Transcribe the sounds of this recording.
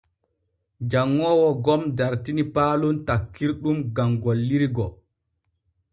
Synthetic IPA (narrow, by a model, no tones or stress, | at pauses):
d͡ʒaŋːɔːwɔɡɔmdaɾtinipaːluntakːiɾɗumɡamɡolːiɾiɡɔ